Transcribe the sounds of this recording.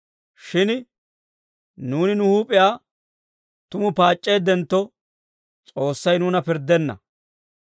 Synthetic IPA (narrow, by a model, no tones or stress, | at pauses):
ʃɪn | nuːnɪnʊhuːpʼɪjaː | t̪ʊmʊpaːt͡ʃʼːe̞ːd̪ɛnt̪ːɔ | t͡sʼo̞ːsːɐjnuːnɐpɪɾd̪ːɛnːɐ̰